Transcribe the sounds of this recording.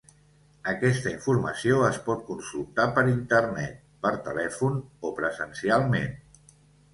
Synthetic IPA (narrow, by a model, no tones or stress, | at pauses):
əkɛst̪əiɱfuɾməsioəspɔt̪̚kunsulˠt̪apəɾint̪ərnɛ̰t̪̚pəɾt̪əlɛfunopɾəzənsialˠmḛn